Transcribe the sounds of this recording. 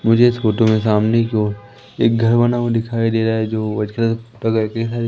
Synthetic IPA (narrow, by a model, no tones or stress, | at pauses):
mʊd͡ʒʱeɪsfoːʈõmẽs̬aːmnekjõː | ḛːk̚ɡʱɐɾʋənamõd̪ɪkʰaːid̪eːɾaɛd͡ʒoːʋɐd͡ʒkat̪ɐɡkeisaːɾe